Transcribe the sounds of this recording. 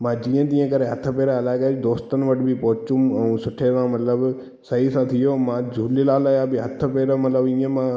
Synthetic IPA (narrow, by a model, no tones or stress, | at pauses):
mãːd͡ʒiːə̃t̪̬ĩːə̃kəɾeɦɐt̪ʰəpeːɾaɐlaːɡəd̪oːst̪ənʋəʈbʱipɔɦt͡ʃũməũsʊʈʰeʋãmɐt̪ləb | sɐɦisãt̪ʰijomãd͡ʒʱuːlilaːləjãbʱiɦɐt̪ʰːəpeːɾəmɐt̪ləbĩjə̃mã